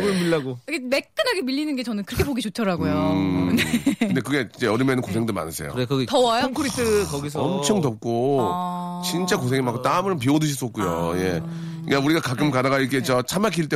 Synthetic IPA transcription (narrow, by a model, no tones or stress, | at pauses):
ɡɯmiɭːaɡoiɡemekk͈ɯnɦaɡemiʎːinɯnɡe̞t͡ɕʌnɯnkɯɾʌkʰepoɡit͡ɕot͡ɕʰʌɾaɡojoɯnendekɯɡe̞id͡ʑe̞ʌɾɯmjenɯnkosʰe̞ŋdoma̰nɯsʰejo̰kʌɡitʌwajoŋkʰɯɾitʰɯkʌɡis̬ʰʌmt͡ɕʰʌŋtʌp̚k͈o | t͡ɕint͡ɕ͈akos̬ʰeŋimak͈ot͈aɯmɯɾp̬iodɯɕ̬ʰis͈ʌk͈ujoje | ikauɾiɡakak͈ɯmkadaɣaik͈et͡ɕ͈ʌt͡ɕʰamak̬ʰiɭt͈e